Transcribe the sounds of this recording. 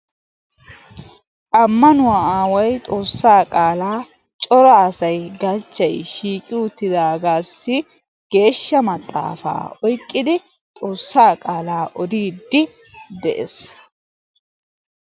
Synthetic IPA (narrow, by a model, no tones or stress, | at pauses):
ʔɐmːɐnʊwaːaːwɔjt̪ʼo̞ːsːaːkʼaːlaː | t͡ʃʼɔɾɐːsɐjɡɐt͡ʃːɐjʃiːkʼɪʊt̪ːɪd̪aːɡaːsːɪ | ɡ̥e̞ːʃːɐmɐt̪ʼːa̰ːfa̰ːɔjkʼːɪd̪ɪ | t̪ʼo̞ːsːaːkʼaːlaːʔɔd̪iːd̪ːɪ | d̪ɛʔɛs